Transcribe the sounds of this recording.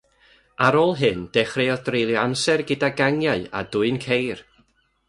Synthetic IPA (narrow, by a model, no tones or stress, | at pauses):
aɾoːlˠɦɨnd̥ɛχreɔdrejlˠjɔamsɛrɡɨdaɡaŋjaɨa̰dʊɨnkʰejr